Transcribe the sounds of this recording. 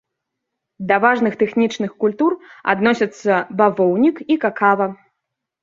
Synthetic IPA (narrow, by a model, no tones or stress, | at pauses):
d̪ɐvaʐnɨxt̪ɛxnʲit͡ʂnɨxkulʲt̪ura̰d̪nɔsʲɐt̪sːɐbavɔwnʲikikakavɐ